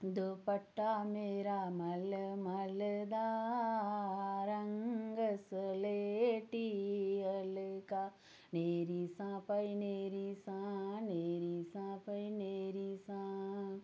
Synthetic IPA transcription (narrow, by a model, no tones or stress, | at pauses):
d̪opɐʈːameɾamɐlɐmɐlɐd̪a | ɾɐŋɡɐsɐleʈiɐlɨka | neːɾisãːpɐjneːɾisãneːɾisãːpɐjneːɾisã